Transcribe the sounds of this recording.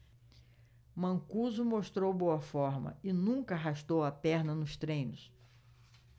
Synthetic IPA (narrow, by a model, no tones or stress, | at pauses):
mɐ̃ŋkuzumoʃt̪ɾowbowɐfɔɾmɐ̰ɪnũkɐaɦaʃt̪owɐpɛɾnɐnʊst̪ɾẽj̃nʊs